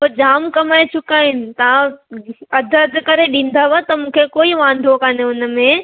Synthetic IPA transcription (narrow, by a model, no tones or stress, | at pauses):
ɦoːd͡ʑaːmkɐmaːet͡ɕʊkaːɦɪnɪ̆t̪ɐʋ̤ãɐd̪ʱɐd̪ʱʊkɐɾeɗĩːn̆d̪aʋat̪ɐmũːkʰekoːiʋãːnd̪ʱokaneʊn̆mẽ